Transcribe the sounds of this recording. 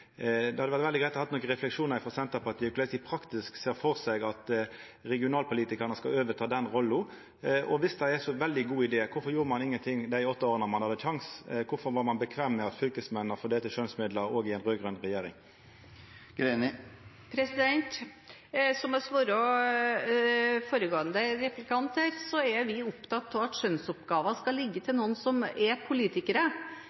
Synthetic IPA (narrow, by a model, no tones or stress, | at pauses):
d̪ɛhɑd̪əʋæʁt̪ʋɛld̪ɪɡɾæɪhɑt̪nɔːkəʁɛflɛkʂuːnəɾɪfɔʁsɛnt̪əpʰɑt̪ʰiːklɛsiːpʰɾɑkt̪ɪskseːɾfɔʁsɛɡɑt̪ | ɾɛɡɪʊnɑːlpʊliːt̪ɪkəʁnəskɑløːʋət̪ʰɑːd̪ɛnɾɔlːʊ | ɔʋɪsd̪æɪæsɔʋɛld̪ɪɡuːɪd̪eːkʰʊɾfɔɾʁjuːɾəmɑnɪŋːənt̪ʰɪŋd̪æɪɔt̪ːɑoːɾənəmɑnhɑd̪əʃɑŋskʰʊfɔɾʋɑɾmɑnbəkʰʋeːmːɛɑt̪fʏlkəsmɛnːəfɔd̪eːt̪əʂøːnsmɪd̪ləɾoːɡɪɛnʁøːɡʁʉnʁɛjeːɾɪ̰ŋ | ɡ̥ɾeːnɪ | pʰɾɛsɪd̪ɛnt̪ | sɔmɑsʋoːɾɔ | foːɾəɡoːənd̪əɾɛplɪkɑnt̪əɾsɔɛɾʋɪʊpt̪ʰɑt̪ʰːɔʋɑt̪ʃœnsɔpɡɑːʋəskɑlɪɡːət̪ʰɪlnuːnsɔmɛpʰʊliːt̪ɪkəɾə